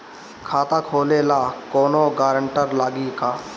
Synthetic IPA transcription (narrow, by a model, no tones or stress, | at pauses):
kʰaːt̪aːkʰoːleːlaːkoːnoɡaːɾəɳʈəɾlaːɡikaː